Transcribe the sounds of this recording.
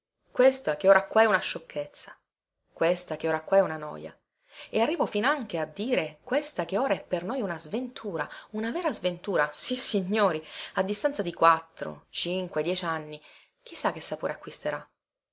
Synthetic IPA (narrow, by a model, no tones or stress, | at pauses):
kwest̪akeoːɾakwaɛunaʃːokʰːet̪sːḁ | kwest̪akeoːɾakːwaɛunanɔ̰ːja̰ | earːiːvofinaŋk̟ead̪ːiːɾekwest̪ak̟eoːɾaɛpːernojunazvent̪ʰuːɾaunavɛːɾazvent̪uːɾasisːiɲːoːɾiad̪ːist̪ant̪sad̪ikwat̪ːɾo̰t͡ʃiŋkwed̪jɛːt͡ʃanːi | k̟isːak̟ːesːapoːɾeakːwist̪eɾa